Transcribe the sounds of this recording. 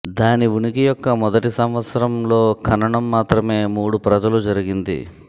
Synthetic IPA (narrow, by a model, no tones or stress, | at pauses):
d̪aːniʋunikijɔkːɐmɔd̪ɐʈisɐmʋɐt̪sɐɾɐmlo̞ːkʰɐnɐɳɐmːaːt̪ɾɐme̞ːmuːɽupɾɐd̪ɐlud͡ʒɐɾiɡind̪ḭ